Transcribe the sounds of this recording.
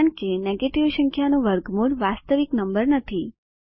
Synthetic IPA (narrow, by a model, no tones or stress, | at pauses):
əɳkeneɡeʈiʋʃəŋkʰjanũʋəɾɡmuɽʋast̪əʋiknəmbəɾnət̪ʰi